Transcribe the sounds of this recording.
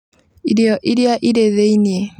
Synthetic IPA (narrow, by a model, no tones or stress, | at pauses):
iɾjɔʔiɾiaʔiɾeðeinie